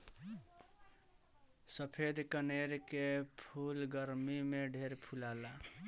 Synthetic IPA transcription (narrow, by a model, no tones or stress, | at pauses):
səpʰed̪ʱkəneɾkepʰulɡəɾmimeɖʱeɾpʰulala